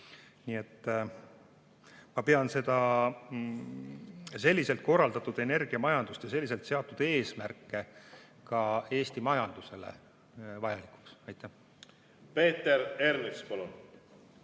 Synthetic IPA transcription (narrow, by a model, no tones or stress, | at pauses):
niːe̞t̪ː | mɑpe̞ɑnse̞d̪̥ɑ | se̞lʲːise̞lt̪̚ko̞rːɑld̪̥ɑt̪ːˑud̪̥e̞ne̞rɡ̥iɑmɑjɑnd̪̥ust̪jɑse̞lːis̬e̞lt̪seɑt̪ːˑud̪̥e̞ːsmærkˑːe̞ | kɑe̞ːsʲt̪imɑjɑnd̪̥use̞lḛ | vɑjɑlikˑu̥ksɑjt̪ːˑæh | pe̞ːt̪ːˑeɾeɾnikspolun